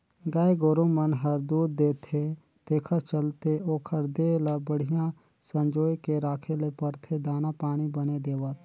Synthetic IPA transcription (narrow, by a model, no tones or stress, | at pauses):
ɡaːeɡoːɾõmənɦəɾd̪uːd̪̚ːeːt̪ʰe | t̪eːkʰət̪t͡ʃəlt̪eoːkʰəɾd̪elɐbəɽ̤ijã | sə̃nd͡ʒoːjkeɾaːkʰelepəɾt̪ʰed̪aːnapaːɽ̃ibəned̪eːʋət̪̚